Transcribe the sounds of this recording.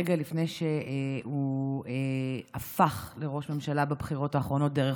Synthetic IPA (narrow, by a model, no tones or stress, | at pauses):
eɡalifnejʃeueafaχle̞ʁo̞ʃme̞mʃalababχiʁo̞taːχʁo̞no̞t̚d̪eʁe